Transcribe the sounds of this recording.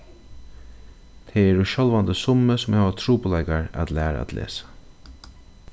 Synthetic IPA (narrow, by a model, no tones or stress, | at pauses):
t̪ʰɛɛɾʊʃɔlʋant̪əsʊməsʊmhaːʋat̪ʰɾuːpʊlɛɪkaɹæ̰t̪læːɾa̰æ̰t̪lʔḛːsḁ